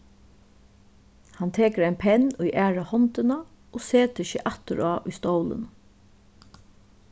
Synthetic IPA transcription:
hant̪ʰeːkəɾaɪnpʰɛnːujʔæːɹahɔnt̪ɪna | oːseːt̪ɪçəʔat̪əɹaːʔʊjst̪owlɪ̰n

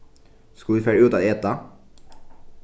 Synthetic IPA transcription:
skɑlʋiːfæːɾʉːt̪ɑːd̪eɛːt̪ɑ

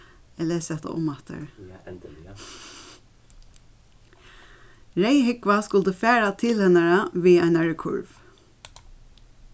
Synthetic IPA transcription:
ɛlɛsɛht̪a̰ʔʊ̰mat̪ə̰ɹ | ɹeɪɦɪkʋaskʊlt̪əfæːɹat̪ʰɪlhɛnaɹaʋiːaɪnaɹɛkʰʊ̰ɹv

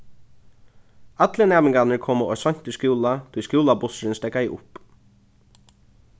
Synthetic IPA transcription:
at̪lənæːmɪŋɡanəɹkʰoːməɔ̰sɔn̥t̪ɪskjuːlat̪ʰʊjskuːlabʊsɾɪnst̪ɛkaiʔʊp

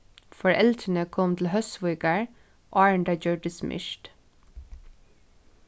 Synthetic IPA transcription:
fɔɹʔɛlt̪ʰənəkʰɔmt̪ʰl̩hœsʋʊʏɡəɹ | ʔɑːɹɳɖɑd͡ʒøːɖəsmʔɪ̰ʃt

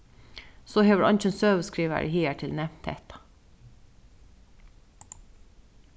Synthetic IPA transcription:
soːheːʋɹɑ̰nc͡çənsøːʋəskɹiːʋə̰ɹhiːæʈʰɪlnɛʋt̪ʰḛːt̪ɑ̥

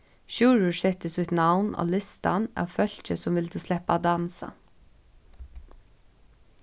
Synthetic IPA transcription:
ʃʉːɹʉsɛt̪əsʉt̪nɑʊnʔo̰ːlɪst̪ɑnæ̰ːʋfœlçəsɔmʋɪld̪ʉːslɛpɑd̪ɑnsɑ̰

